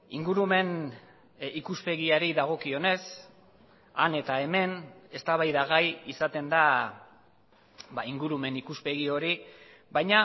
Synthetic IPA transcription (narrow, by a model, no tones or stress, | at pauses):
iŋɡuɾume̞n | ikuspe̞ɣiaɾiðaɣ̞o̞kio̞ne̞s | ane̞t̪ae̞me̞ne̞st̪aβajðaɣ̞ajisat̪e̞nd̪a | baiŋɡuɾume̞nikuspe̞ɣ̞io̞ɾi | bajɲa